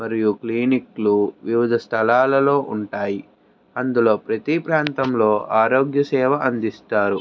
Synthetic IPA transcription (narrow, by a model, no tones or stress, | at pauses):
mɐɾijukliːnikluʋiʋid̪ʱɐst̪ʰɐlaːlɐlo̞ːʔuɳʈaːji | ɐnd̪ulo̞ːpɾɐt̪ipɾaːnt̪ɐmlo̞ːʔaːɾo̞ːɡjɐsɛːʋɐʔɐnd̪ist̪aːɾu